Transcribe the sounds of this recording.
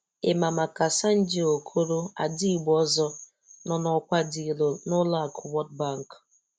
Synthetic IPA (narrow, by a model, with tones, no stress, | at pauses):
ɪ˨ma˨ma˨ka˨sa˦n̩˦d͡ʒi˦o˨kʰo˦ɾo˦a̰˨di˦i˨ɡ͡bɔ˦zɔ˦ | nɔ˦nɔ˨kʷa˦di˨lo˨nʊ˦la˦˨kʰʊ˨wɔ˦t̚ba˦˨ŋ̩˨k